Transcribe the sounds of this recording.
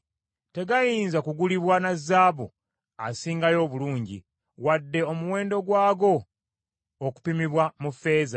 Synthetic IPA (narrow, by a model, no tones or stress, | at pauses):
te̞ɡajiːnzakuɡuliβwanazːaːβṵ | asiːŋɡajo̞ːβuluːɲɟḭ | wadːe̞o̞muwe̞ːndo̞ɡwaːɡo̞ː | ku̥pimiβwamufe̞ːza